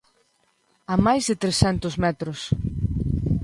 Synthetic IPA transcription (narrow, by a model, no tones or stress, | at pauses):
amajzðɪt̪ɾesɛnt̪ʊzmɛt̪ɾʊs